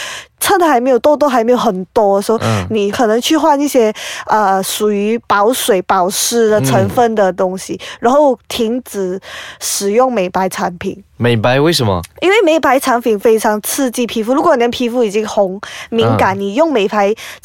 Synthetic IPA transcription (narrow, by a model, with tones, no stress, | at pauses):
t͡sʰə˥˩n˨xa˧˥ɪme˧˥jo˨˩t̪ɔ˥t̪ɔ˥a˧˥me˧˥ɪjo˨˩ʊxə˨˩nt̪wɔ˥˧sni˨˩kʰɤ˨˩nɤ˧˦˥ŋt͡ɕʰy˥˧xwa˥˧ni˥˩ɕjɛ˥ə˧ʂu˨˩y˧˥pɑ˧˥ʊʂwe˨˩ɪpɑ˨˩ʊʂɻ̩˥˩d̪ə˨˧ʈ͡ʂʰə˧˥nfə˥˧˩nd̪ə˨t̪ʊ˥ŋɕi˨ɻa˧˥nxo˥˩ʊt̪ʰi˧˥ŋt͡sɹ̩˨˩ʂɻ̩˨˩jʊ˥˩ŋme˨˩ɪpa˧˥ɪʈ͡ʂʰa˧˥npʰḭ˨˩˦ŋme˨˩ɪpa˧˦ɪwe˥˩ɪʂə˨˩mə̰˨˩i˥nwe˥˩ɪme˧˥ɪpʰa˧˥ɪʈ͡ʂʰa˧˥npʰi˨˩ŋfe˥ɪʈ͡ʂʰɑ˧˥ŋt͡sʰɹ̩˥˧t͡ɕi˥˩pʰi˧˥fu˥˩ɻu˧˥kwɔ˧˦ni˨˩d̪ə˦˩pʰi˧˥fu˥˩i˨˩t͡ɕi˥ŋxʊ˧˥ŋmi˧˥ŋka˧˩nni˨˩jʊ˥˩ŋme˨˩ɪpʰa˧˥ɪ